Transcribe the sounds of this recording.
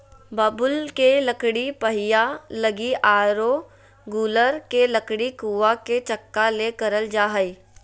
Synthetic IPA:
baːbʊlkeləkɽipəɦɪjaləɡiʔaːɾo | ɡuːləɾkeləkɽikuːʋaket͡ʃɐkːalekɐɾəld͡ʒaːɦəi

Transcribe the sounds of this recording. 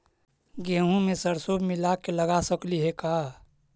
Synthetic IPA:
ɡẽːɦũmẽsəɾsobmilakeləɡasəkliɦekaː

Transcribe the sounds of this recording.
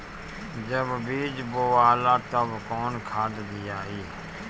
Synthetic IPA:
d͡ʒəbbiːd͡ʒboːʋaːlaːt̪əbkɔːnkʰaːd̪d̪ijaːɦiː

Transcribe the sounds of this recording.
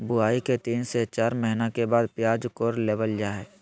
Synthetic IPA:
bʊaːiket̪iːnset͡ʃaːɾmɛɦɪnakebaːd̪pjaːd͡ʒkoːɾleːʋəld͡ʒaːɦɛː

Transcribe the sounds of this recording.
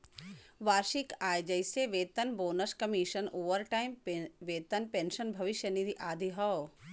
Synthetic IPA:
ʋaːɾʃikaːjd͡ʒɐjseʋeːt̪ɐnboːnɐskɐmiʃɐnoːʋɐɾʈaːjimʋeːt̪ɐnpẽːnʃɐnbʱɐʋɪʃjɐniɾiʔaːd̪ʱiɦɐw

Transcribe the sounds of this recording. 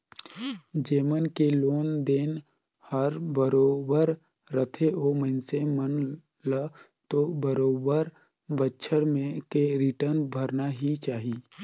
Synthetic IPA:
d͡ʒeːmənkeloːnd̪eːn | həɾbəɾoːbəɾ | ɾət̪ʰeʔoːmənsemən | lə | t̪obəɾoːbəɾ | bətːʃʰəɾmẽkeɾɪʈəɾnbʱəɾnaɦit͡ʃaːɦiː

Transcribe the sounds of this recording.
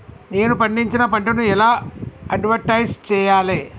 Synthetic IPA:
ne̞ːnupɐɳɖiɲt͡ʃinɐpɐɳʈɐnuɛlaːɐɖʋɐɾʈɐjd͡ʒt͡ʃɛːjaːleː

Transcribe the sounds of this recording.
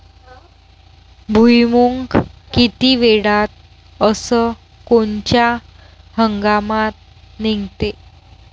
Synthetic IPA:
bʱujmuŋkkit̪iʋeɽat̪̚ | əsə | koɲt͡ɕja | həŋɡamat̪̚ | neŋɡt̪e

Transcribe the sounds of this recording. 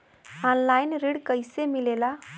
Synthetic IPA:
anlajnɾiɽkəjsemilela

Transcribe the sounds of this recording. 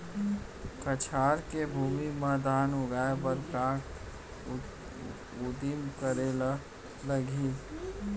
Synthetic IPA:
kət͡ʃʰaːɾkebʱuːmimad̪ʱaːnʊɡaːebəɾkãk | ud̪imkəɾela | ləɡi

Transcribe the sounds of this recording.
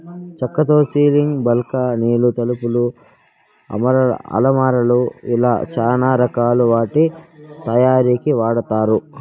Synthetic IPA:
t͡ʃɐkːɐt̪oːsiːliŋɡbɐlkɐniːlut̪ɐlupulu | ɐ̰mɐɾɐ̰ɐ̰lɐmaːɾɐluila̰ːt͡ʃaːnaːɾɐkaːluʋaːʈit̪ɐjaːɾiːkiʋaːɽɐt̪aːɾu

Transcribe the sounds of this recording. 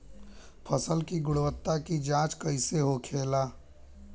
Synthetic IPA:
pʰəsəlkiɡʊɽwət̪ːakid͡ʒãːt͡ʃkəɪseɦokʰeːlaː

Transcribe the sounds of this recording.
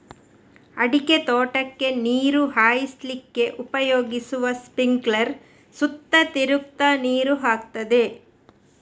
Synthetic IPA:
ɐɽiket̪oːʈɐkːe̞niːɾuɦaːjislikːe̞ʔupɐjoːɡisuʋɐspiŋɡlɐɾ | sut̪ːɐt̪iɾuk̚t̪ɐniːɾuɦaːk̚t̪ɐd̪e̞

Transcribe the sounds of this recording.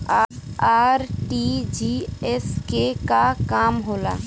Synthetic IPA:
aaːɾʈid͡ʒiɛskekakaːmɦoːla̰ː

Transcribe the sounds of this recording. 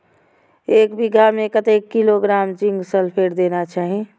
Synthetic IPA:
eːkbiɡʱamẽkət̪ekːiloɡɾaːmt͡ʃĩŋɡsəlpʰeːɾd̪eːnat͡ʃaːɦi

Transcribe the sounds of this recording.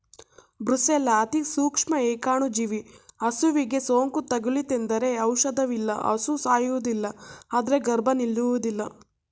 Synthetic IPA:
bɾuselaːt̪isuːkʂmɐeːkaːɳud͡ʒiʋiɐsuʋiɡe̞soːŋkut̪ɐɡulit̪end̪ɐɾe̞ɐwʃɐd̪ɐʋilːɐ̰ʔɐ̰susaːjuʋud̪ilːɐaːd̪ɐɾe̞ɡɐɾbʱɐnilːuʋud̪ilːɐ

